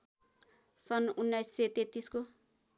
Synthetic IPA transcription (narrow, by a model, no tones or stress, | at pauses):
sʌnunːajsːet̪et̪ːisko